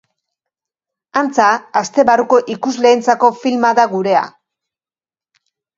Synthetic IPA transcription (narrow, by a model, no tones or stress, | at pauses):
ant͡saːst̪e̞βaruko̞ʔikuzle̞ːnt͡sako̞filmaðaɣuɾe̞a̰